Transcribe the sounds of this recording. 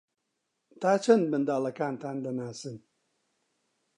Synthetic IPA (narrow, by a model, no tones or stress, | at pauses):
t̪ʰaːt͡ʃʰɐnd̪̚mɨnd̪aːlɐkaːnt̪ʰaːnd̪ɐnaːsɨn